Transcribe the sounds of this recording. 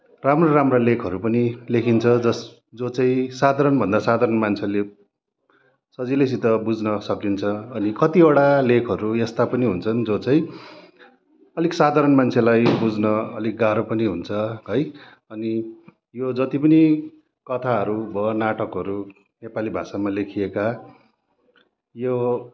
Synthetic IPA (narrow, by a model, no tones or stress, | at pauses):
ramroɾamrolekʰʌɾupʌnilekʰint͡sʰʌd͡zʌ | d͡zot͡saĩsad̪ʱaɾʌnbʱʌnd̪asad̪ʱaɾʌnmant͡sʰele | sʌd͡ziles̬it̪ʌbud͡znʌsʌkint͡sʰʌːnikʌt̪ioɽalekʰʌɾuest̪apʌniɦunt͡sʰʌnd͡zot͡saĩ | ʌliksad̪ʱaɾʌnmant͡sʰelajbud͡znʌʌlik̚ɡaɾopʌniɦunt͡sʰʌɦʌj | ʌni | jod͡zʌt̪ipʌni | kʌt̪ʰaɦʌɾubʌnaʈʌkɦʌɾu | nepalibʱasamalekʰieka | jo